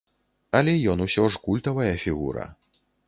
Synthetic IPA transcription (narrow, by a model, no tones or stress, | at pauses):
ɐlʲɛjɔnusʲɔʐkulʲt̪ɐvɐjɐfʲiɣṵɾɐ̰